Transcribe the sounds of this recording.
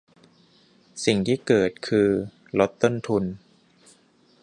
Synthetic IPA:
si˨˩ŋt̪ʰiː˥˩kɤː˨˩t̪̚kʰɯː˧ | lo˦˥t̪ːo˥˩nt̪ʰu˧n

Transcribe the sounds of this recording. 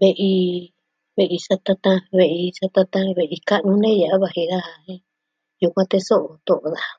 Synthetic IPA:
βe˧ʔi˧ | βe˧ʔi˧sa˧t̪ã˧t̪ã˧βe˧˨ʔi˧sa˧t̪ã˧t̪ã˦βe˨ʔi˧ka˦ʔnũ˧˦nẽ˦ja˨ʔa˦βa˧˨hi˧ða˦ha˧hĩ˦ | ju˧kʷã˧t̪e˧so˦ʔo˨t̪o˨ʔo˨ða˨˧

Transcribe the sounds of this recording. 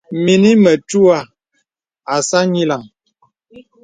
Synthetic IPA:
mi˨ni˦mə˨tu˦a˦˨ | a˨sa˦ɲi˦la˨ŋ

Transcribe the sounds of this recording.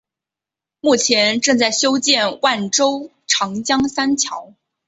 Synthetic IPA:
mu˥˩t͡ɕʰjɛ˧˥nʈ͡ʂɤ˥˧ŋt͡sa˥˩ɪɕjo˥ʊt͡ɕjɛ˥˧nwa˥˩nʈ͡ʂo˥ʊ | ʈ͡ʂʰɑ˧˥ŋt͡ɕjɑ˥ŋsa˥nt͡ɕʰjɑ˧˥ʊ

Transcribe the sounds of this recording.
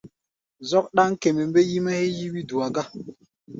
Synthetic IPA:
zɔ˦k̚ɗa˦ŋke˨me˨mbe˦ji˦ma˦he˦ji˦wi˦du˨a˨ɡa˦

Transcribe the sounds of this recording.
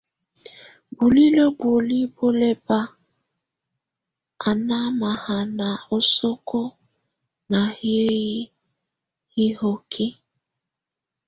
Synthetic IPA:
bu˨li˦lo˦bo˨li˦bo˦le˦ba˦ | a˨na˦ma˨ha˨na˨o˨so˦kɔ˦ | na˨hje˦ji˦ | hi˦ho˨kʰi˦

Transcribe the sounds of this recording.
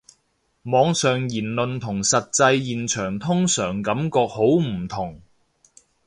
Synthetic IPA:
mɔː˨˧ŋsœː˨ŋjiː˨˩nlɵ˨nt̪ʰʊ˨˩ŋsɐ˨t̚t͡sɐ˧jjiː˨˩nt͡ʃʰœː˨˩ŋt̪ʰʊ˥ŋsœː˨˩ŋkɐ˨˧˥mkɔː˧k̚ho˨˥wm̩˨˩t̪ʰʊ˨˩ŋ

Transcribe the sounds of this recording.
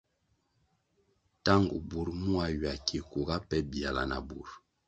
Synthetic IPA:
ta˦ŋɡu˨bu˨ɾmu˦a˨ɥa˨kʰi˨ku˨ɡa˦pɛ˦bi˨a˨la̰˨na̰˨bu˨ɾ

